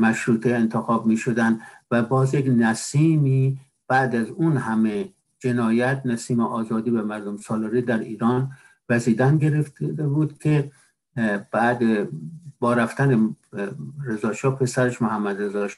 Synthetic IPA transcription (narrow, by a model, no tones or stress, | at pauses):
mæʃɾuːt̪ʰeent̪ʰexɒːbmiːʃod̪ænd̪væbɒːzjeknæsiːmiː | b̥æːd̪æzunhæme | d͡ʒe̞nɒːjæt̪̚ʰnæsiːmeʔɒːzɒːd̪iːvæmæɾd̪omsɒːlɑɾiːd̪æɾḭːɾɒːn | væziːd̪ænɡeɾeft̪buːd̪kʲʰe | b̥æd̪ebɒːɾæft̪æne | ɾezɒːʃɒːpʰe̞sæɾeʃmohæmːæd̪rezɒʃ